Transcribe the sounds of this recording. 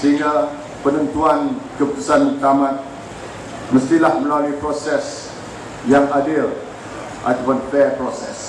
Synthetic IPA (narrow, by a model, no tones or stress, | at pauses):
səɦiŋɡa | pənənt̪uankəput̪u̥sanət̪amãt̪̚ | məst̪ilahməlaluipɾosɛs | jaŋadɪl | ʔa̰t̪apanfɛpɾosɛ̰s